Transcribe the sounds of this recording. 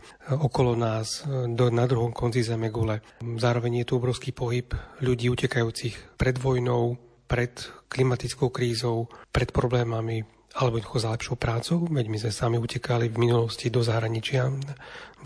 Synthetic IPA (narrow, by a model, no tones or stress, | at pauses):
ɔkɔlɔnaːzd̪ɔnad̪ɾuɦɔmkʰɔnt͡sizɛmɛɡulɛzaːɾɔʋɛɲjɛt̪uɔbɾɔʊskiːpɔɦipʎuɟiːucɛkajuːt͡sixpɾɛd̪ʋɔjnɔʊ | pɾɛt̪klimat̪it͡skɔʊkɾiːzɔʊpɾɛt̪pɾɔblɛːmami | alɛbɔnaxɔzalɛpʃɔʊpɾaːt͡sɔʊʋɛɟmizmɛsamiucɛkalivminulɔscid̪ɔzaɦɾaɲit͡ʃɪa